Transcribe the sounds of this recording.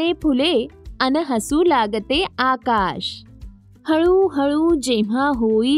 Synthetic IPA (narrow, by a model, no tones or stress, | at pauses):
epʰuleənəɦəsũːlaɡt̪eaːkaːɕ | həɭuːɦəɭuːd͡ʑẽʋ̤aɦoi